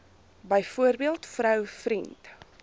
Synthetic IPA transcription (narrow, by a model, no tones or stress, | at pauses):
bəjfuərbiəlˠtfrœwfɾint